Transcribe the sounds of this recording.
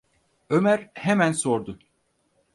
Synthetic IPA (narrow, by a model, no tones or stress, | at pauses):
ømæɾhemænsoɾd̪ʊ